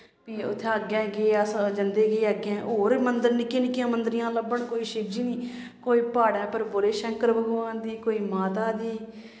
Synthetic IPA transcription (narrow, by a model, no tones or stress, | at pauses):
piːʊ̰t̪ʰːeɡɛ̃ːɡeːəsd͡ʒənd̪eːɡeːəɡɛ̃ːɦoːɾmənd̪əɾnɪkeːnɪkɪãːmənd̪əɾɪjãːləbːəɳkoːiːʃɪb̚d͡ʒiːniː | koːiːpaːɽɛ̃ːpəɾboːleːʃəŋkəɾbəɡoʋãːnd̪iːkoːiːmaːt̪aːd̪iː